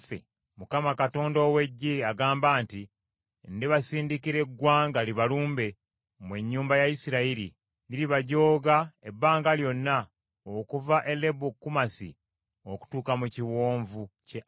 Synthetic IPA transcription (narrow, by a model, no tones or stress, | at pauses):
fḛ | mukamakato̞ːndowe̞ɟːiaɡaːmbaːnti | ndiβasiːndikiɾe̞ɡwaːŋɡaliβaluːmbe̞ | mwe̞ɲːuːmbajajisiɾaiɾḭ | niliβaɟo̞ːɡae̞bːaːŋɡaljo̞nːa | okuvaʔe̞lːe̞bukːumasḭ | oku̥tuːkamuciwoːɱvuce